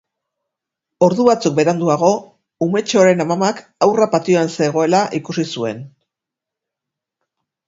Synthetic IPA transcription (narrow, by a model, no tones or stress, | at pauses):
o̞ɾðuβat͡suk̚be̞ɾand̪uaɣ̞o̞ | ume̞t͡ʃo̞ɾe̞namamakawrapat̪io̞anse̞ɣ̞o̞e̞laʔikusisue̞n